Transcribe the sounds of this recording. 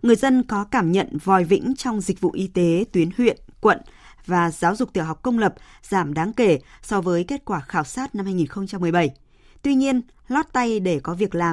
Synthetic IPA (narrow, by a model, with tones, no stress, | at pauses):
ŋɨ˨˩əjzə˧nkɔ˨˦kaː˧˩mɲə̰˧˨nvɔ˨˩jvḭ˧˥ŋ̟t͡ɕɔ˧wŋ͡mzï˨˩k̚vṵ˧˨ʔi˧t̪e˨˦t̪wi˨˦ənhwḭ˧˨ənkwə̰˧˨n | vaː˨˩zaː˨˦wzʊ˨˩k͡p̚t̪i˧˩ɦa˨˩wk͡p̚kə˧wŋ͡mlə˨˩p̚z̥aː˧˩mɗaː˨˦ŋke˧˩sɔ˧vəː˨˦jke˦˥t̚kwaː˧˩xaː˧˩wsaː˦˥t̚na˧mhaː˧jŋi˨˩nxə˧wŋ͡mt͡ɕa˧mː˨˩əjɓə˧˩j | t̪wi˧ɲi˧ən | lɔ˦˥t̚t̪a˧jɗe˧˩kɔ˨˦vi˨˩ək̚laː˨˩m